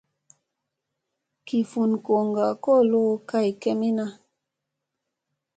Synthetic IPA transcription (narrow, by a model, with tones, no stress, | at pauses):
ki˨fu˨nko˨ŋɡa˨kɔ˦˨lo˦ka˦˨jkɛ˦mi˦na˦